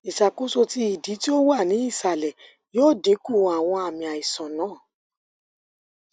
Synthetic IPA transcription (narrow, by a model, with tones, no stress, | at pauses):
i˨ʃa˨ko˦so˧ti˧˦i˦˨di˨˦ti˦o˦wa˦˨nĩ˨˦i˦˨sa˨lɛ˨ | joː˦˨de˨˦ku˦˨a˨w̃ɔ̃˧a˨mĩ˨a˨i˨sɔ̃˨nãː˦˨